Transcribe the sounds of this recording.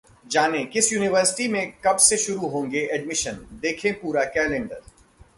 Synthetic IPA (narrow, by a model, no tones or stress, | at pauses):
d͡ʒaːnẽkɪsjuːnɪʋəɾsɪ̥ʈimẽkɐbseʃʊɾuɦõːŋɡeʔɛɖmɪʃənd̪eːkʰẽpuːɾakɛːlɪ̃nɖəɾ